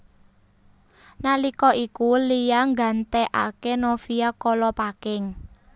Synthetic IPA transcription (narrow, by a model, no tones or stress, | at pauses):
nalikɔʔikulijaŋɡa̤nt̪ɛʔa̰kenofiakɔlɔpakɪŋ